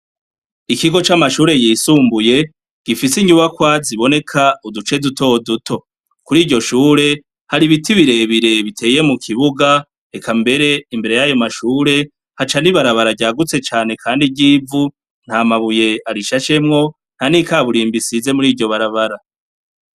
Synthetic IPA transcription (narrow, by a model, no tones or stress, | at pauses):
ikiɡo̞t͡ʃamaʃuːɾe̞jiːsuːmbuje̞ | ɡ̥ifisiɲuβakwaziβo̞ne̞kʰaudut͡ʃe̞duto̞dutʰo̞ | kuɾiːɟo̞ʃuːɾe̞ | haɾiβitiβiɾe̞βiɾe̞βitʰe̞ːje̞mukʰiβuɡa | e̞kʰambe̞ɾe̞imbe̞ɾe̞jajo̞maʃuːɾe̞ | hat͡ʃaniβaɾaβaɾaɟaːɡut͡se̞t͡ʃaːne̞kʰaːndiɟiːvu | n̥hamaβuje̞aɾiʃaʃe̞mŋo̞ | n̥hanikaβuɾiːmbisize̞muɾiːɟo̞βaɾaβaɾa